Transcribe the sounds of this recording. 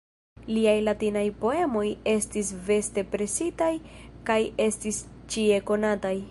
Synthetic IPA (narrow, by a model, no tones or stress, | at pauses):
liajlatinajpo̞e̞mo̞je̞stisve̞ste̞pɾe̞sitajkaje̞stist͡ʃie̞ko̞nataj